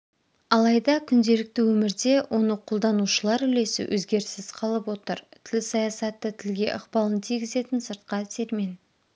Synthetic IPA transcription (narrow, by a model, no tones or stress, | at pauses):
ɑlˠɑjd̪ɑkʲʰʏnd̪e̞lɪk̚t̪ɪwɵmɪɾd̪e̞wʔo̞nəqʰolˠd̪ɑnuʃəlˠɑɾʏle̞sɪ̰wʔɵ̰zɡʲe̞ɾsɪz̥qʰɑlˠəpwo̞t̪əɾt̪ʰɪlsɑjɑsɑt̪ːət̪ʰɪlɡʲe̞̰ʔəqpɑlˠənt̪ʰiɡʲɪze̞t̪ɪnsəɾt̪̚qɑt̪ʰe̞ɾme̞n